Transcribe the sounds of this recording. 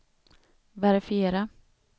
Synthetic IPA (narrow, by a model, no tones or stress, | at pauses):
væɾɪfɪeːɾa